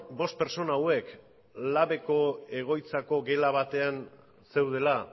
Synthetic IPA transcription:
bo̞st̪̚pe̞ɾt͡so̞naːwe̞k | laβe̞ko̞e̞ɣ̞o̞jt͡sako̞ɡe̞laβ̞at̪e̞an | se̞wð̞e̞la

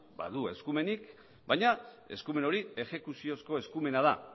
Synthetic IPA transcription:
ba̰ðue̞skume̞nik | bajɲa | e̞̰skume̞no̞ɾie̞ʝe̞kusio̞sko̞e̞skume̞nað̞a̰

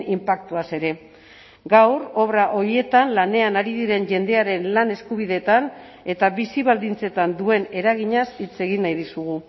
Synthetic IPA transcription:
nimpak̚t̪uase̞ɾe̞ | ɡawɾo̞βɾaʔo̞ɾie̞t̪anlane̞anaɾiðiɾe̞nʝe̞nd̪e̞aɾe̞nlane̞skuβ̞iðe̞t̪an | e̞t̪aβisiβald̪int͡se̞t̪and̪ue̞ne̞ɾaɣ̞iɲasit͡se̞ɣ̞inːajðisuɣ̞u

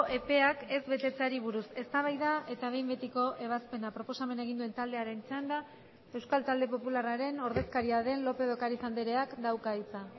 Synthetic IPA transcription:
ʔepe̞ake̞zβe̞t̪e̞t͡saɾiβ̞uɾuse̞st̪aβ̞ajðaʔe̞t̪aβ̞e̞jmbe̞t̪iko̞ʔe̞β̞aspe̞napɾo̞po̞same̞naeɣind̪ue̞nt̪ald̪e̞aɾe̞nt͡sand̪a | e̞wskalt̪ald̪e̞po̞pularaɾe̞no̞ɾðe̞skaɾiaðe̞nlo̞pe̞ð̞o̞kaɾit͡sand̪eɾe̞akd̪awkait͡sa

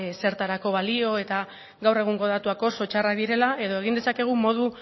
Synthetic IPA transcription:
se̞ɾt̪aɾako̞βalio̞e̞t̪a | ɡawre̞ɣ̞uŋɡo̞ð̞at̪uako̞so̞t͡ʃaraðiɾe̞laʔe̞ð̞o̞e̞ɣ̞ind̪esake̞ɣ̞umo̞ð̞u

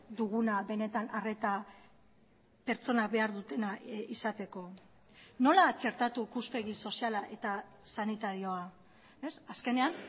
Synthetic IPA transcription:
d̪uɣunaβe̞ne̞t̪anare̞t̪a | pe̞ɾt͡so̞nabe̞aɾðut̪e̞naisat̪e̞ko̞ | no̞lat͡ʃe̞ɾt̪at̪uikuspe̞ɣiso̞sialaʔe̞t̪a | sanit̪aɾio̞a | e̞saske̞ne̞an

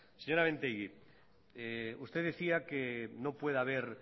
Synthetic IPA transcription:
seɲo̞ɾaβent̪ejɣi | eust̪eðeθiakenopwe̞ðaβ̞eɾ

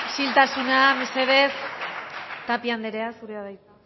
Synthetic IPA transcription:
silt̪asunameseðeθ | t̪apiand̪eɾe̞asuɾeaðajt̪a

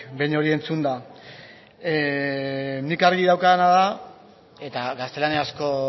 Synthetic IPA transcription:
bejɲo̞ɾie̞nt͡sund̪a | nikaɾɣiðawkaðenaða | e̞t̪aɡast̪e̞laneasko̞

